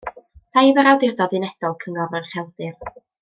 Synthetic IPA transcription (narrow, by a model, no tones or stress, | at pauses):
θajvəɾawdɪrdɔdɪnɛd̥ɔlˠkʰəŋɔvərχɛlˠdɨr